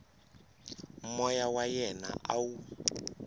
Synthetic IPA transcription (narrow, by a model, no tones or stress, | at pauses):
mɔjawajɛna̰ʔawu